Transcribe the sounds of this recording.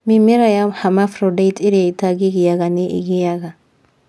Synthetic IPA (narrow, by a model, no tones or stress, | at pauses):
mimiɾajamhamafɾodajtiɾataɡiɡijaɡaniʔḭɡijaɡa